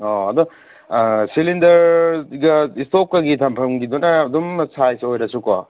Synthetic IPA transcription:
ɔɐd̪ɔ | silindɐɾɡɐistokːɐɡitʰɐmpʰɐmɡidunɐːdumsajsojɾɐsukɔ̰

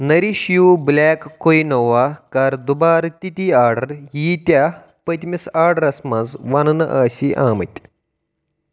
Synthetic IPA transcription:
nɐɾiɕjuːblaːkːoinɐʋaːkaːɾd̪ubaːɾɐt̪ʲit̪iaːɾɖɐɾjiːt̪ʲa | pɐt̪mʲisaːɾɖɐɾɐsmazʋanɐnɐʔaːɕiʔaːmət̪ʲ

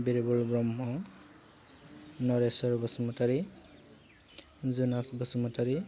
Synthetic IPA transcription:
biɹebɔlbɹɔmɦɔ | nɔɹesɔɹbɔsmɔtaɹi | zunasbɔsumɔtaɹi

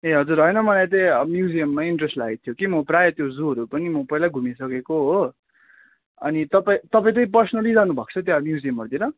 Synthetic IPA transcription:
eɦʌd͡zuɾɦʌjnʌmʌlajt̪ʌʌmjud͡zijʌmːaiɳʈresʈlaɡet̪ʰjokimʌprajʌt̪jozuɦʌɾupʌnimʌpʌjlaɡʱumisʌkekoɦo | ʌ̰nit̪ʌpaĩt̪ʌpaĩt̪ʌĩp̬ʌrsʌnʌlid͡zanubʱʌk̚t͡sʰʌt̪̬jamjud͡zijʌmɦʌrd̪iɾʌ

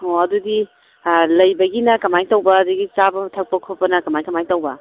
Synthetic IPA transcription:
oɐdudi | lɐjbɐɡinɐkɐmajtɐwbɐːduɡit͡ʃabɐtʰɐk̚pɐkʰopɐnɐkɐmajkɐmajtɐwbɐ

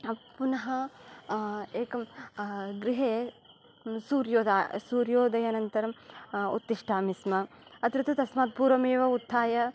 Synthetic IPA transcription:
punɐɦɐ | eːkɐm | ɡɾiɦeː | suːɾjoːd̪aːsuːɾjoːd̪ɐjɐnɐnt̪ɐɾɐmṵt̪ːiʂʈʰaːmismɐ | ɐt̪ɾɐt̪ʰɐt̪ɐsmaːt̪̚puːɾʋɐmeːʋɐut̪ʰːaːjɐ

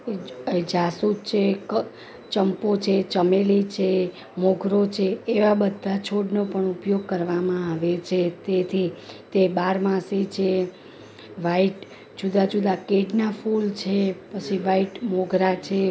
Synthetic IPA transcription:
eed͡ʒasut͡ʃʰek | t͡ʃəmpot͡ʃʰet͡ʃəmelit͡ʃʰe | moɡʱɾot͡ʃʰeːʋabəd̪ʱːat͡ʃʰoɖnopəɳupjoɡ̚kəɾʋamãaʋet͡ʃʰet̪et̪ʰit̪ebaɾmãsit͡ʃʰe | ʋaiʈ | d͡ʒud̪ad͡ʒud̪akeɖnafult͡ʃʰepət͡ʃʰiʋaiʈmoɡʱɾat͡ʃʰe

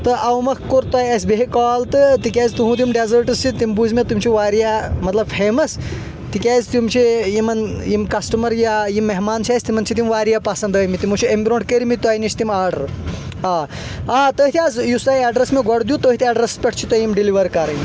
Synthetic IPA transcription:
t̪ɨʔɐwmɐkʰkuɾt̪aːjɐsʲbeɦikaːlt̪ɨt̪ikʲɛːzʲt̪uɦũt̪imɖezəɾʈɨst͡ʃʰit̪imbuzmet̪umt͡ʃʰiʋaːɾjamɐt̪lɐb̚pʰeːmɐs | t̪ikʲɛːzʲt̪umt͡ʃʰijimɐnjimkɐsʈɐmɐɾjajimːeɦmaːnt͡ʃʰaːsʲt̪imɐnt͡ʃʰit̪̬imʋaːɾijapɐsɐnd̪əːmit̪imut͡ʃʰiembʲiɾõːɳʈkəɾimit̪aːjnit͡ʃʰt̪imaːɾɖɐ̰ɾ | aː | aːt̪əɦit̪ʰʲaːzjusaːjaɖɾɐsmeɡɐɽd̪ʲjut̪oːɦit̪ʰiɐɖɾɐspʲɐʈ̚ʰt͡ʃʰit̪ɐjimɖiliʋɐɾkɐɾɐni

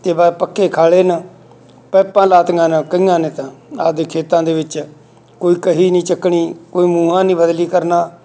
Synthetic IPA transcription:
t̪eːbapəkːeːkʰaːɭeːnə | pɛːpãːlaːt̪ɡãːnakəiːãːnẽːt̪ãːaːd̪eːkʰeːt̪ãːd̪eːʋɪt͡ʃ | koːiːkəɦiːnĩːt͡ʃəkɳiːkoːiːmuːɦãːnĩːbəd̪liːkəɾnaː

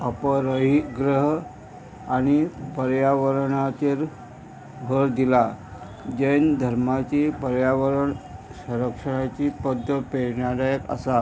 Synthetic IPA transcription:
əpəɾəɦiɡɾəɦ | añipəɾjaʋəɾɳat̪iːɾ | bʱəɾd̪ila | d͡ʑend̪ʱəɾmat͡ɕipəɾjaʋəɾəɳsə̃ɾəkʂəɽ̃at͡ɕipəd̪ʱːəpeɾɳjad̪ajəkə̰sa

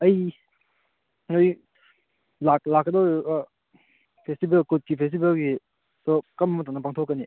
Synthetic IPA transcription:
ɐj | ŋoj | lak̚lakːɐdɔ | pʰestibelkut̚kipʰes̬tibelɡi | sokɐmːmɐtanːɐpaŋtʰokːɐni

